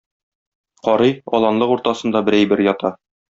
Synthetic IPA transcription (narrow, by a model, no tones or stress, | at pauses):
qɒɾɤjɒlˠɑnlˠɤquɾt̪ɑsɤ̆nd̪ɑbɘ̆ɾæjbɘɾjɒt̪ɑ